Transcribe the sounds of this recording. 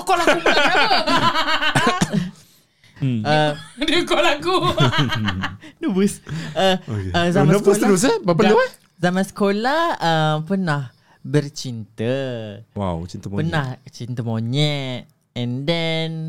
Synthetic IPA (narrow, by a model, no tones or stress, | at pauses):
kolau | ədəkolaku | nubusəokeəzamanəbudus̬ebapaləɛ | zamãnsə̥kolahəmpənah | bərt͡ʃint̪əwa̰wt͡ʃint̪əmopənaht͡ʃint̪əmoɲɛt̪ | ɛ̃ndɛn